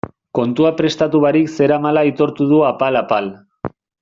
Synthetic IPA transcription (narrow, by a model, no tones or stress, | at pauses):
ko̞nt̪uapɾe̞st̪at̪uβaɾikse̞ɾamalait̪o̞ɾt̪uðuapalapal